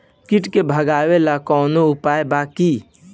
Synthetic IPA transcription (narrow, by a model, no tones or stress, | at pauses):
kɪʈkebʱəɡaːwelakɔːnoʊpaːjbaːki